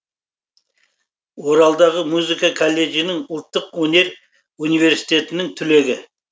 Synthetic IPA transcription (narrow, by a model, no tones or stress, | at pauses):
wo̞ɾɑlˠd̪ɑʁəmuzikakʰolʲːe̞ɡʲijnɪŋʊlˠt̪ːəqwɵne̞ɾ | unijve̞ɾsi̥t̪e̞t̪ɪnɪŋt̪ʰʏle̞ɡʲɪ